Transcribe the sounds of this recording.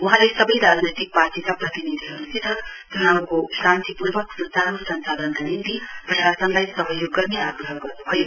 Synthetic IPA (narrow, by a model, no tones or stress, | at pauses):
uɦãlesʌbʌjɾad͡znojt̪ik̚paɾʈikapɾʌt̪inid̪ʱiɦʌnusid̪ʱət̪iɦãukosɾant̪ipuɾbʌkpt͡saɾosʌnsaːd̪ənd̪anint̪ipɾɐʃasənlajsʌɦʌjoɡːʌɾneaɡɾəɦɡʌɾnubʰʱʌjo